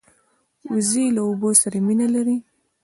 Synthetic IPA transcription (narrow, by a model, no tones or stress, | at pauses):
uzilaobosaɾaminalaɾi